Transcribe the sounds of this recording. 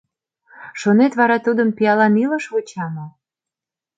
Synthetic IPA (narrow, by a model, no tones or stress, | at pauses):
ʃonet̪βɑɾɑt̪ud̪əmpijɑlɑniləʃvut͡ɕɑmo